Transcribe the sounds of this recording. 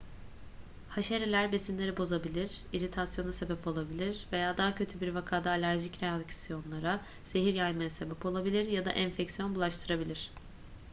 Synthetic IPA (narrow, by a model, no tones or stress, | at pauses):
haʃeɾelʲæɾbe̞sinlʲe̞ɾibo̞zabilʲiɾ̥iɾit̪ʰasjo̞nase̞bɛpʰo̞lˠabilʲiɾve̞jaːd̪aɦacʰø̞t̪ʰybiɾvakʰaːd̪aːlʲæɾʒicɾeacsijo̞nlˠaɾa | z̥e̞ɦiɾjajmajase̞bɛpo̞lˠabilʲiɾjad̪a̰ʔɛɱfɛcsijo̞nbulˠaʃt̪ʰɯɾabilʲiɾ̥